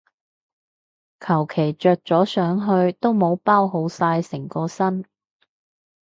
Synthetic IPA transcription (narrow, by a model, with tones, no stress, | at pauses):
kʰɐ˨˩wkʰe˨˩jt͡ʃœː˨˧k̚t͡sɔː˨˥sœː˨˥ŋɦɵ˧ɥt̪o˥wmo˨˧wpaː˥wɦo˨˧wsaː˧jsɪ˨˩ŋkɔː˧sɐ˥n